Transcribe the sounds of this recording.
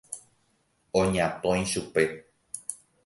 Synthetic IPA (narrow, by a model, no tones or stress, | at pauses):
õɲãt̪õj̃ʃupe̞